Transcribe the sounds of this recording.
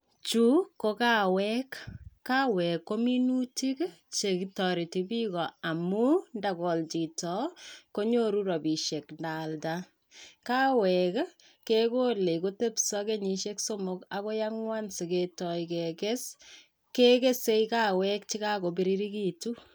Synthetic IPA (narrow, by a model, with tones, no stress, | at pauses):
t͡ʃu˦ko˦ka˦wɛ˦kːa˦wɛ˨kːo˦mi˦nu˦ti˦k | t͡ʃe˨kitɔ˨ɾi˨ti˨pi˦kɔ˨a˨mu˦nda˨kɔ˨lt͡ʃi˨tɔ˨ko˦ɲo˦ɾu˦ɾɔ˨bi˨ʃe˨knda˨lta | ka˦wɛk | ke˦ko˦le˨ko˦te˦psɔ˦ke˦ɲi˨ʃe˦kso˦mo˦ka˦ko˦jaŋwa˦nse˨ketɔjke˨kes | ke˦ke˦se˦jka˦wɛ˦k̚t͡ʃi˦ka˦ko˨bi˦ɾi˦ɾi˦ki˨tu˦